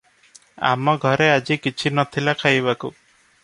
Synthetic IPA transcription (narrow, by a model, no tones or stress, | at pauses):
a̰mɔɡʱɔɾead͡ʒikit͡ʃʰinɔt̪ʰilakʰajbaku